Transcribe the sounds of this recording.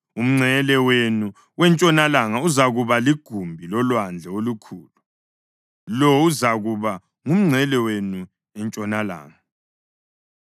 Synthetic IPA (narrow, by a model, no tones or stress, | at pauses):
um̩ŋ͡ǀʱɛlɛwenu | wɛnt͡ʃʼɔnalaŋauzaɣuβaliɡ̥ʱumbʱilɔlwand͡ɮʱɛolukʰuːlu | lɔuzaɣuβa | ŋum̩ŋ͡ǀʱɛlɛwenu | ɛnt͡ʃʼɔnala̰ːŋa